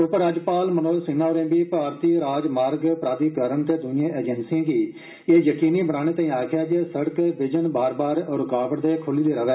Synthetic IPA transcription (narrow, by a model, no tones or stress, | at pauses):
ʊpɾaːd͡ʒpaːlmənoːlsɪnaːoɾẽːbiːpaːɾt̪iːɾaːd͡ʒmaːɾɡpɾaːd̪iːkəɾəɳt̪eːd̪ʊnɪjãːʔeːd͡ʒənsiãːɡiː | eːjəkiːniːbənaːɽ̃eːt̪aːĩːaːkʰɪjaːd͡ʒesəɽəkʋɪd͡ʒənbaːɾbaːɾɾʊkaːʋəʈd̪eːkʰʊliːd̪eːɾəʋɛː